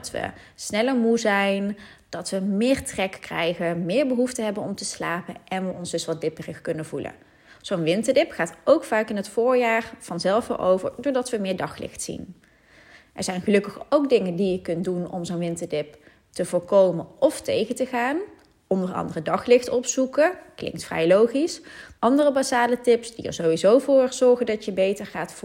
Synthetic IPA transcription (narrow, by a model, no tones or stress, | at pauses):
tʋə̰ | snɛləɹmuzɛjn | d̥ɑtʋəmɪːɹtrɛkkrɛjχəmɪːɹbəɦuftəɦɛbənɔmtəsla̰ːpənʔɛnʋəɔnzdɵsʋɑt̚dɪpərəxkɵnəvulə̰ | z̥ownʋɪntəɹdɪpχaːtowkfaːkɪnɦətfʊːɹjaːɹv̥ɑnzɛlˠfə̰ɹʔo̰wvə̰ɹdʊːɹdɑtʋəmɪːɹdɑχlɪ̰xtsḭn | ʔɛɹzɛjnχəlɵkəχowk̚dɪŋəndijəkɵntdunɔ̰mzownʋɪntəɹdɪp | təvʊːɹkowmənɔftejɣətəɣaːn | ɔndərɑ̰ndərədɑχlɪxtɔpsukəklɪ̰ŋktfrɛ̰jlowχisʔɑndərəbasaːlətɪpsd̥ḭə̰ɹzowʋizowvʊːɹz̥ɔɹχəndɑtjəbejtəɹχaːtf